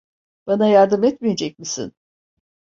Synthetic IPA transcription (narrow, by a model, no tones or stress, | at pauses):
b̥anajaɾd̪ɯmɛt̪mije̞d͡ʒɛc̚ʲmisḭn